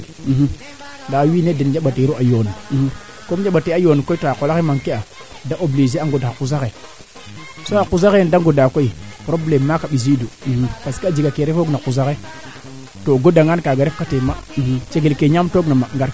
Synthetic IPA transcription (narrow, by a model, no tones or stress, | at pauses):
ndawiːnedend͡ʒaɓateɾuʔajon | komd͡ʒaɓateajonkoitoakolakemaŋkea | daʔoblizeaŋɡodakuz̬ake | soakuzaɣendaŋɡodakoipɾoblemːakaɓizidupaskiad͡ʒiɡakeɾefoɡnakuz̬ake | toɡodaŋɡankaɡaɾefkatemat͡ʃeɡelkeɲamtoɡnamaŋɡaɾ